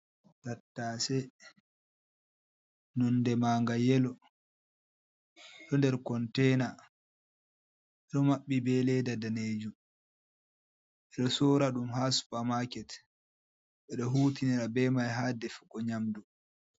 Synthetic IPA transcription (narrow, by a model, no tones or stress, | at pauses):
tatːasɛ | nɔndɛmaːŋɡajɛlɔ | ɗɔndɛɾkɔntɛna | ɛɗɔmaɓːibɛlɛdadaneːd͡ʒu | ɛɗɔsɔːɾaɗumhasu̥pamakɛt | ɓɛɗɔɦuːtinɛɾabɛmajɦadɛfu̥kːɔɲamdu